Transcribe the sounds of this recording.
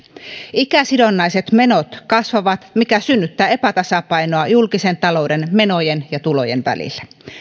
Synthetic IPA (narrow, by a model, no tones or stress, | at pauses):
ikæsidonːɑjset̪me̞not̪kɑsʋɑʋɑt̪mikæsynːyt̪ːæːepæt̪ɑsɑpɑinoɑjulkisent̪ɑlo̞wdenme̞nojenjɑt̪ulo̞̰jḛnʋæ̰lḭlːæ̥